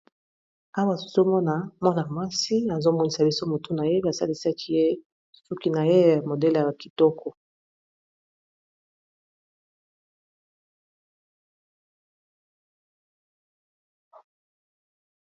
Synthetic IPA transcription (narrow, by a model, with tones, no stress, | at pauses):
a˦wa˦˨su̥˨zo˦mɔ˦na˨mɔ˦na˨ma˦si˦a˨zo˦mɔ˦ni˨sa˨bi˦so˦mo˨tu˦na˨je˦ba˨sa˦li˦sa˦kʰi˦je˦ | su˦ki˦na˨je˦˨mo˨dɛ˦la˨a˨ki˨tɔ˦kʰɔ˨